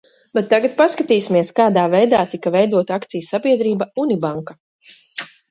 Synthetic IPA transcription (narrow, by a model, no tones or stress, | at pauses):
bɛt̪ːaɡat̪̚paskat̪iːsimiɛskaːd̪aːvɛjd̪aːt̪ikɐvɛjd̪uɔt̪akt̪sijsabiɛd̪ɾiːbaunibaŋka